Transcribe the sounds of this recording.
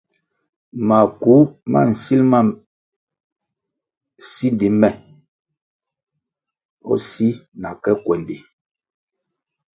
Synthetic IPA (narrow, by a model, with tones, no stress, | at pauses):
ma˨ku˨˦ma̰˦˨n̩˨si˦lma˦˨ | si˦nde˨mɛ˦˨ | ɔ̰˦si˦na˨kɛ˦kwɛ˨nde˨